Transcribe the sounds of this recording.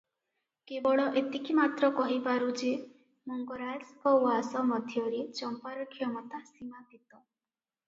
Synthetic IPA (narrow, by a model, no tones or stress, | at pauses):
kebɔɭɔʔet̪ikʰimat̪ɾɔkɔɦibaɾud͡ʒe | mɔŋɡɔɾad͡ʒkɔwasɔmɔd̪ʱjɔɾet͡ʃɔmpaɾɔkʰjɔmɔt̪asimapit̪ɔ